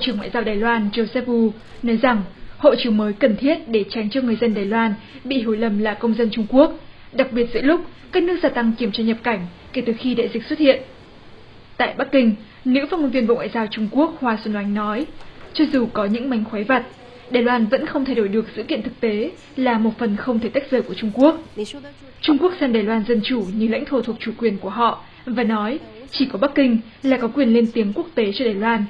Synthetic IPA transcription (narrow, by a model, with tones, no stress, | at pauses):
ɓo̰˨t͡ɕɨ˧˩əŋwa̰ː˧˨zaː˧wɗaː˨˩jlwaː˧nzo˧sɛ˦˥p̚ʔu˧ | nɔ˨˦jza˨˩ŋho̰˧˨t͡ɕɨ˨˦əŋməː˨˦jkə˨˩nt̪ʰi˦˥ət̚ɗe˧˩t͡ɕa˨˦jŋ̟t͡ɕɔ˧ŋɨ˨˩əjzə˧nɗaː˨˩jlwaː˧nɓḭ˧˨ɦi˧˩əwlə˨˩mlaː˨˩kə˧wŋ͡mzə˧nt͡ɕʊ˧ŋ͡mku˦˥ək̚ | ɗa˨˩k̚ɓi˨˩ət̚zɨ̰˧˥lʊ˦˥k͡p̚kaː˦˥k̚nɨ˦˥ək̚zaː˧t̪a˧ŋki˧˩əmt͡ɕɔ˧ɲə˨˩p̚ka˧˩jŋ̟ | ke˧˩t̪ɨ˨˩xi˧ɗa̰ː˧˨zï˨˩k̟swə˦˥t̚hḭ˧˨ən | t̪a̰ː˧˨jɓa˦˥k̚kï˧ŋ̟ | nɨ̰˧˥faː˦˥ŋo˧nvi˧ənɓo̰˧˨ŋwa̰ː˧˨zaː˧wt͡ɕʊ˧ŋ͡mku˦˥ək̚hwaː˧sə˧˩nwa˨˦jŋ̟nɔ˨˦jt͡ɕɔ˧zu˨˩kɔ˨˦ɲɨ̰˧˥ŋma˨˦jŋ̟xwa˨˦jva˨˩t̚ | ɗaː˨˩jlwaː˧nvə̰˧˥nxə˧wŋ͡mt̪ʰa˧jɗo˧˩jɗɨ˨˩ək̚zɨ̰˧˥kḭ˧˨ənt̪ɨ˨˩k̚t̪e˨˦ | laː˨˩mo˨˩t̚fə˨˩nxə˧wŋ͡mt̪ʰe˧˩t̪a˦˥k̚z̥əː˧˩ku˧˩ət͡ɕʊ˧ŋ͡mku˦˥ək̚ | t͡ɕʊ˧ŋ͡mku˦˥ək̚sɛ˧mɗaː˨˩jlwaː˧nzə˧nt͡ɕu˧˩ɲɨ˧˩la̰˧˥jŋt̪ʰo˧˩t̪ʰu˨˩ək̚t͡ɕu˧˩kwi˨˩ənku˧˩əɦɔ̰˧˨ʔ | vaː˨˩nɔ˨˦jt͡ɕi˧˩kɔ˨˦ɓa˦˥k̚ːï˧ŋ̟ | laː˨˩kɔ˨˦kwi˨˩ənle˧nt̪i˨˦əŋku˦˥ək̚t̪e˨˦t͡ɕɔ˧ɗaː˨˩jlwaː˧n